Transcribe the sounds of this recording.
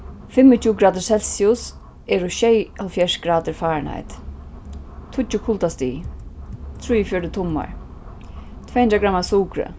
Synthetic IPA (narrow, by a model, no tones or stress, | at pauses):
fɪmːɪt̪ʰuːɡɾaːd̪ɪɹsɛlsiʊs | ɛɾʊʃɛjhalfjɛʂɡ̥ɾaːt̪ɪɹfaːɹna̰jt̪ | t̪ʰʊt͡ʃʊkʰʊlt̪ast̪ḭː | t̪ʰɾujəfjɔɾɪt̪ʰʊmːa̰ɹ | t̪ʰv̥ɛjhnɾaɡɾamːasuːkɾə̰